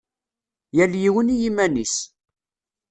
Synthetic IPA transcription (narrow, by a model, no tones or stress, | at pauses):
jæljiwənijimænis